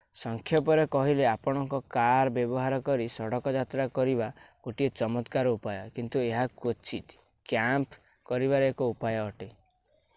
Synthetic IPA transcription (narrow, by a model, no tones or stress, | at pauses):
sɔŋkʰjɔpɔɾekɔɦileapɔɽ̃ɔŋkɔkaɾbjɔbɔɦaɾɔkɔɾisɔɽɔkɔd͡ʒat̪ɾakɔɾibaɡ̥oʈiet͡ʃɔmɔt̪kaɾɔupajɔkint̪ueɦakot͡ʃʰit̪ | kjamp | kɔɾiβaɾeekɔupajɔːʈe